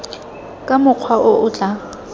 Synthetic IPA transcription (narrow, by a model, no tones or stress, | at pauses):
kʼamʊq͡χʰwaʔʊʔʊt͡ɬʼa